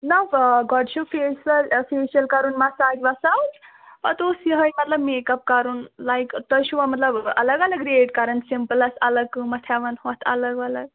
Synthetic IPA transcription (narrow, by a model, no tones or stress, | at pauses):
nɐfɡɔɖɕufesəlfeɕəlkaɾuːnmasaɡʋasawt̪ | pɐt̪osiɦəjmət̪ləbmekəp̚kaɾuːnlajkt̪əjɕuʋamɐt̪ləbɐ̰ləɡɐləɡɾeʈ̚kaɾəɳsimpələsɐləkːɨmɐt̪ʰaʋənhot̪ʰɐ̰ləɡaləɡ̚